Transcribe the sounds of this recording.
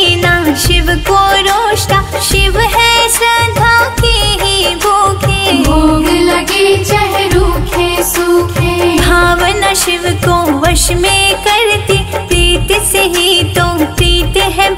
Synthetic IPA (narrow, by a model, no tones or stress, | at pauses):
naʃɪʋkoɾoːʃʈaʃɪʋɦɛ̃sɾɐd̪ʱãːkiɦibʱoːkʰeboːɡlɐɡit͡ʃɐɦɾuːkʰesuːkʰebʱaːʋənaʃɪʋkoʋɐʃmẽkɐɾt̪ipɾiːt̪eseɦit̪opɾiːt̪eɦɛ